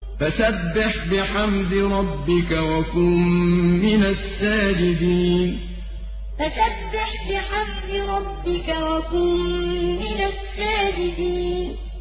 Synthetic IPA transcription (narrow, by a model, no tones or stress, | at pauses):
fasabːɪħbɪħamd̪ɪɾˤɑbːɪkawakʊmːɪnasːaːd͡ʒɪd̪iːn | fasabːɪħbɪħamd̪ɪɾˤɑbːɪkawakʊmː | ɪnasːaːd͡ʒɪd̪iːn